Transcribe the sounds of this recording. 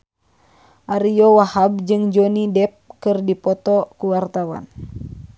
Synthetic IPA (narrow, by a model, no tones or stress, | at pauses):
ʔaɾijɔwahab̚d͡ʒɨŋd͡ʒonidɛp̚kɨrdipɔt̪ɔkuwart̪awa̰n